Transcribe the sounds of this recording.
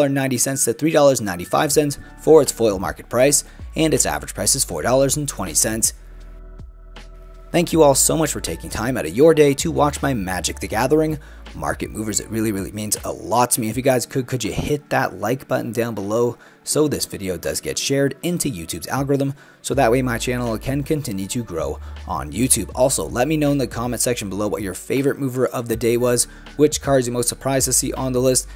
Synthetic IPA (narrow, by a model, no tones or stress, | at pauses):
lˠə˞nãɪ̃ntisɛ̃ntstʰɨθɹidɔlˠə˞znãɪ̃ntifa̰ɪv̥sɛ̃nts | fə˞ɨtsfɔɪlˠmɑ̰ɹkɨt̚pʰɹ̥aɪsʔɨ̃nɨtsæ̰vɹɨd̥pʰɹ̥aɪsɨz̥fɔ̰ɹdɔlˠə˞zn̩tʰw̥ɛ̃ɾ̃ḭsɛ̃nts | θæ̃ŋkjɨɔlˠsoʊmʌt͡ʃfə˞tʰeɪkɪ̃ŋtʰãɪ̃maɾɨvjə˞deɪɾɨwɑt͡ʃmaɪmæd͡ʒɨk̚ðɨɡæðə˞ɪ̃ŋ | mɑ̰ɹkɨ̰t̚muvə˞zɨ̰t̚ɹɪlˠiɹɪlˠḭmĩnzə̰lɔtʰɨmiɨfjɨɡaɪz̥kʰɨkʰɨd͡ʒɨhɪt̪̚ðəʔlaɪkb̥ʌ̰ʔn̩dãʊ̃nbəloʊ | soʊðɪsv̥ɪɾioʊdʌ̰zɡɛ̰tʃɛɹɾɪ̃ntʰʉjʉtʰʉbzæ̰lˠɡə˞ɪðə̃m | soʊðət̚weɪmaɪt͡ʃʰænl̩ˠkʰɨ̃nkʰɨ̃ntʰɪ̃njʉɾɨɡɹoʊʔə̰̃njʉtʰʉbɔlˠsoʊlɛt̚minõʊ̃nðɨkʰɑmɛ̃ntsɛkʃɨ̃n̩bəloʊwʌ̰t͡ʃə˞feɪvə˞ɨt̚muvə˞ʔʌvðɨdeɪwʌz | wɪt͡ʃkʰɑɹdzjə˞moʊstsə˞pʰɹ̥aɪz̥tɨsiʔə̃nðəlɪst̚